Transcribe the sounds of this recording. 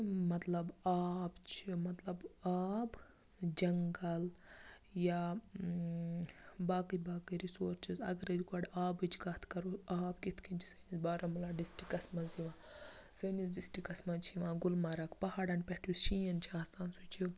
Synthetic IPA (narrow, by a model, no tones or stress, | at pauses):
mɐt̪lɐbaːbt͡ʃʰimɐt̪lɐbaːb | d͡ʒɐŋɡɐl | ja | baːkɨjbaːkɨɾisoːɾt͡ʃʰizɐɡɾed͡ʒɡɐɖaːbɨt͡ʃʰiɡat̪ʰkɐɾuaːbkit̪ʰkʰint͡ʃʰi̥sənisbaːɾɐmulaːɖisʈikːɐsmɐnsiʋãː | sɐnis̬ɖisʈikːɐsmɐnt͡ʃʰiʋãːɡulmaɾɐkpɐhaːɽɐnpeʈʰuʃijɐnt͡ʃʰiaːst̪aːnsut͡ʃʰi